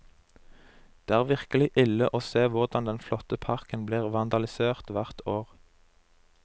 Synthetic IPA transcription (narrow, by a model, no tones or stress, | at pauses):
d̪̥eːæːʁʋɪʁkəlɪʔɪləʔoːseːʋʊʁd̪ɑnd̪ɛnflɔt̪əpʰɑʁkənbliːʁʋɑnd̪ɑlɪseːʁt̪ʋæʁt̪oːʁ